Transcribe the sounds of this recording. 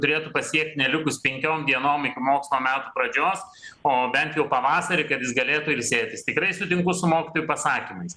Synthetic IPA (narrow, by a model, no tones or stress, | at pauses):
t̪ʊɾʲeːt̪ʊpɐsʲiɛk̚t̪ʲnʲɛlʲɪkʊspʲɛŋʲkʲoːmd̪ʲiɛnoːmɪkʲɪmoːksʲmoːmʲæːt̪ʊpɾɐd͡ʒʲoːs | oːbʲɛnt̪jɛʊpɐʋɑːsɐɾʲɪkɐt̪jʲɪsɡɐlʲeːt̪ʊɪɾsʲeːt̪ʲɪst̪ʲɪkɾɐɪsʊt̪ʲɪŋkʊsʊmoːkʲɪ̥t̪oːjupɐsɑːkʲɪmɐɪs